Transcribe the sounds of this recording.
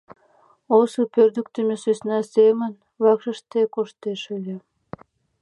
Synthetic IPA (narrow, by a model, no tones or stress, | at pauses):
osupørd̪yk̚t̪əmʲesøsnɑsemən | βɑkʃəʃt̪ekoʃt̪eʃəlʲĕ